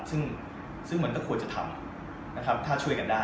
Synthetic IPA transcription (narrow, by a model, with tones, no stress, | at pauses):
sɯ˥˩ŋ | sɯ˥˩ŋmɯ˦ənkɔː˥˩kʰu˧ənt͡ɕa˨t̪ʰa̰˧m | na˦˥kʰɾa˦˥p̚t̪ʰaː˥˩t͡ɕʰu˥˩əjka˧ndaː˥˩